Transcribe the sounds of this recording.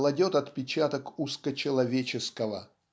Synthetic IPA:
lˠɐdʲot̪ɐt̪pʲɪt͡ɕat̪əkuskət͡ɕɪlˠɐvʲet͡ɕɪskəvə̰

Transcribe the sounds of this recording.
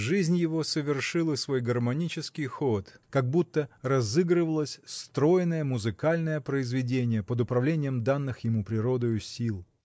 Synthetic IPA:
ʐɨzʲnʲjɪvo̞səvʲɪrʂɨlˠəsvo̞jɡərmɐnʲit͡ɕɪskʲɪjxot̪kɐɡ̚but̪ːərɐzɨɡɾɨvəlˠəsʲst̪ɾo̞jɪnəjəmʊzɨkalʲnəjəpɾəɪzvʲɪdʲenʲɪjəpəd̪ʊpɾɐvlʲenʲɪjəmd̪anːɨxjɪmupɾʲɪɾo̞d̪ojʊsʲilˠ

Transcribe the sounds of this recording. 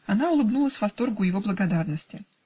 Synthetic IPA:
ɐnaʊlˠɨbnulˠəsʲvɐst̪o̞rɡʊjɪvo̞blˠəɡɐd̪arnəsʲtʲɪ

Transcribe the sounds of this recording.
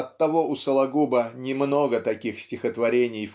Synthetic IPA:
ɐt̪ːɐvo̞ʊsəlˠɐɡubənʲɪmno̞ɡət̪ɐkʲixsʲtʲɪxət̪vɐɾʲenʲɪjf

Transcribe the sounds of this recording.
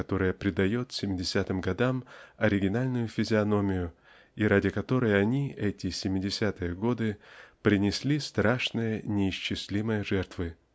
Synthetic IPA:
kɐt̪o̞ɾəjəpɾʲɪd̪ɐjo̞t̪sʲɪmʲɪdʲɪsʲat̪ɨmɡɐd̪amɐɾʲɪɡʲɪnalʲnʊjʊfʲɪzʲɪɐno̞mʲɪjʊ | iɾadʲɪkɐt̪o̞ɾəjəɐnʲiɛtʲɪsʲɪmʲɪdʲɪsʲat̪ɨjəɡo̞d̪ɨpɾʲɪnʲɪsʲlʲist̪ɾaʂnɨjənʲɪɪɕt͡ɕːɪsʲlʲiməjəʐɛrt̪vɨ

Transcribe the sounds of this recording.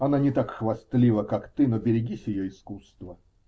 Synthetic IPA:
ɐnanʲɪt̪akxvɐst̪lʲivəkakt̪ɨnobʲɪɾʲɪɡʲisʲjɪjoɪskust̪və

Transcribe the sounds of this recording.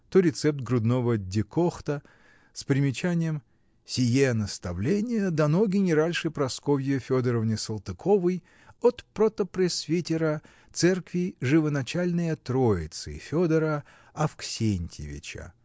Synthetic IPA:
t̪oɾʲɪt̪sɛp̚t̪̚ɡɾʊd̪novədʲɪkoxt̪ə | spɾʲɪmʲɪt͡ɕanʲɪjəm | sʲɪjenəst̪ɐvlʲenʲɪjəd̪ɐnoɡʲɪnʲɪɾalʲʂɨpɾɐskovʲjɪfʲod̪əɾəvnʲɪsəlˠt̪ɨkʰovɨj | ot̪pɾot̪əpɾʲɛsvʲitʲɪɾə | t̪sɛrkvʲɪʐɨvənɐt͡ɕalʲnɨjət̪ɾoɪ̰t̪sɨ̰fʲod̪əɾə | ɐfksʲenʲtʲɪ̰vʲɪ̰t͡ɕə̰

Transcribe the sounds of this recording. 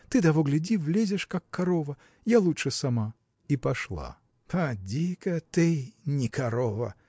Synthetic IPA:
t̪ɨd̪ɐvɔɡlʲɪdʲivlʲezʲɪʂkakːaɾɔvɐ | jalˠutʂɨsama | ipaʂlˠa̰ | pʰɐd͡zʲikɐt̪ɨnʲɪkaɾɔvɐ̰

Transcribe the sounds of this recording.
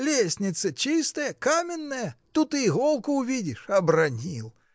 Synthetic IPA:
lʲesʲnʲɪt̪sɐt͡ɕist̪ɐjɐkamʲɪnːɐjɐt̪ut̪ɨiɣɔlˠkʊːvʲidʲɪʂɐbrɐnʲilˠ

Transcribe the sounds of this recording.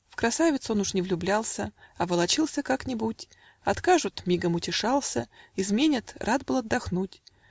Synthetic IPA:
fkɾɐsavʲɪt̪so̞nʊʂnʲɪvlʲʊblʲalˠsʲəɐvəlˠɐt͡ɕilˠsʲəkaknʲɪbutʲ | ɐt̪kaʐʊt̪mʲiɡəmʊtʲɪʂalˠsʲəɪzmʲenʲɪt̪rʔad̪̚bɨlˠɐd̪ːɐxnutʲ

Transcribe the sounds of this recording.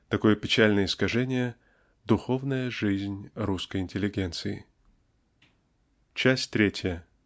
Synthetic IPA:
t̪ɐko̞jəpʲɪt͡ɕælʲnəjəɪskɐʐɛnʲɪjə | d̪ʊxo̞vnəjəʐɨzʲnʲɾuskəjɪnʲtʲɪlʲːɪɡʲent̪sɨɪ̰ | t͡ɕæsʲtʲt̪ɾʲetʲjə

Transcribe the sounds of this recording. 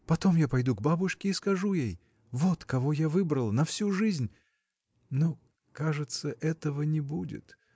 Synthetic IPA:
pɐt̪o̞mjapɐjd̪uɡbabʊʂkʲɪːskɐʐujej | vo̞t̪kɐvojavɨbɾəlˠənɐfsʲuʐɨzʲnʲ | no | kaʐɨt̪səʔɛt̪əvənʲɪbudʲɪ̰t̪

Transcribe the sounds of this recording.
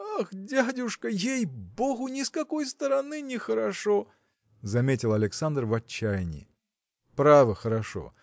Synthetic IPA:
axdʲadʲʊʂkəjejboɣʊnʲɪskɐkojst̪əɾɐnɨnʲɪxəɾɐʂo | zɐmʲetʲɪlˠɐlʲɪksand̪rvɐt͡ɕːajnʲɪ̰ | pɾavəxəɾɐʂo̰

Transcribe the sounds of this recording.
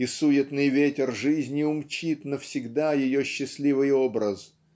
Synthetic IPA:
isujɪt̪nɨjvʲetʲɪrʐɨzʲnʲɪʊmt͡ɕit̪nəfsʲɪɡd̪ajɪjoɕːɪsʲlʲivɨjo̞bɾəs

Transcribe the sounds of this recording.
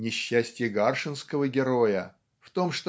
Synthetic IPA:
nʲɪɕːæsʲtʲjɪɡarʂɨnskəvəɡʲɪɾo̞jə | ft̪o̞mʂt̪

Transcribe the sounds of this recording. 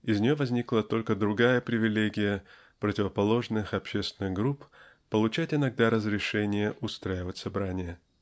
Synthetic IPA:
ɪzʲnʲɪjo̞vɐzʲnʲiklˠət̪o̞lʲkəd̪ɾʊɡajəpɾʲɪvʲɪlʲeɡʲɪjə | pɾətʲɪvəpɐlˠo̞ʐnɨxɐpɕest̪ʲɪnɨɣɡɾup | pəlˠʊt͡ɕætʲɪnɐɡ̚d̪aɾəzɾʲɪʂɛnʲɪjəʔʊst̪ɾajɪvətʲsɐbɾanʲɪjə

